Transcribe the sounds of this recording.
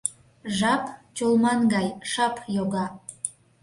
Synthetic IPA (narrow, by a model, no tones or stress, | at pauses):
ʒɑpt͡ɕolˠmɑnɡɑjʃɑpjoɣɑ